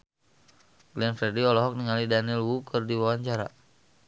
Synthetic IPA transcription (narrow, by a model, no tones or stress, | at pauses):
ɡlɛnfɾɛdiɔlɔɦɔk̚niŋalidanilwukʰɨrdiwawaɲt͡ʃaɾa